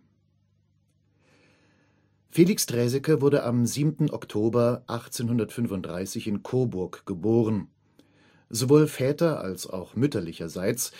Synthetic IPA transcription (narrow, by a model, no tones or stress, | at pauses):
feːlɪkstʁɛːzɛkəvʊɐɾəʔamziːbmtn̩ʔɔ̰ktʰoːbɐʔaχt͡seːnhʊndɐtfʏnvʊntd̥ʁaɪsɪçɪnkʰoːbʊɐkɡ̥əboːʁən | zovoːlfɛːtɐʔa̰lsa̰ʊχmʏtɐlɪçɐzaɪt͡s